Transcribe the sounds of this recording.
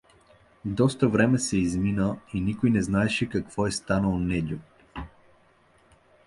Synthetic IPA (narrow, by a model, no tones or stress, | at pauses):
vd̪ɔst̪əvɾɛmɛsɛizminəinikojnɛznaɛʃɛkɐkvɔɛst̪anəlˠnɛɟʲo